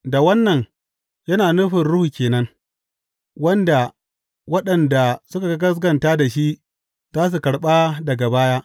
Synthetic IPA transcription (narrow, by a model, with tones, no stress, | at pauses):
da˨wɐ˦nːɐ˨ɲ | jɐ˦naː˨nʊ˦ɸɪ˨nɽʊ˦hu˨kʲeː˨nɐ˦ŋ | wɐ˦nda˨ | wɐ˦ɗɐ˨nda˨sʊ˦ka˨ɡɐ˦ɡɐ˦s̬ɡɐ˨ntaː˦da˨ʃi˦ʔ | zaː˦s̬u˨kɐ˨ɽɓa˦dɐ˨ɡa˨baː˦jaː˦